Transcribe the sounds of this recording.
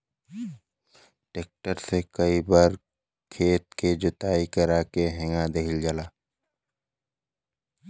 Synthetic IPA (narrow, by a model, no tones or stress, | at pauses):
ʈeːk̚ʈəɾsekəibaːɾ | kʰeːt̪̚ked͡ʒʊt̪aːikəɾaːkeɦɛ̃ŋãd̪eɦɪld͡ʒəlaː